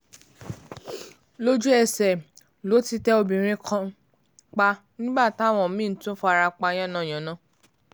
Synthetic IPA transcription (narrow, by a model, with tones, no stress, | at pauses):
lo˦d͡ʒu˦ɛ˨sɛ˨ | lo˨˦ti˧tɛ˦o˧bĩ˨˦ɾ̃ĩ˧kʰã˧˦ | k͡pa˧ | nĩ˦ba˦˨ta˨˦˨w̃ɔ̃˨˦mĩ˦˨˦tũ˦fɔ˧a˧ɾa˧k͡pa˧j̃ã˦˨nã˦˨j̃ã˨nã˦